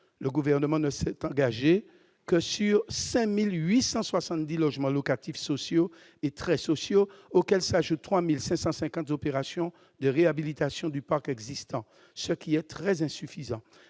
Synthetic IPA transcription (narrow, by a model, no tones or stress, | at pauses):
ləɡuvɛʁnəmɑ̃nəsɛt̪ɑ̃ɡaʒe | kəsyʁsɛ̃milɥisɑ̃swasɑ̃t̪̚d̪ilɔʒmɑ̃lokat̪ifsosjo | et̪χɛsosjookɛlsaʒut̪̚ːχwamilsɛ̃sɑ̃sɛ̃kɑ̃t̪zopeʁasjɔ̃ | d̪əʁeabilit̪asjɔ̃d̪ypaʁkɛɡzist̪ɑ̃ | səkʲiɛt̪ʁɛzɛ̃syfizɑ̃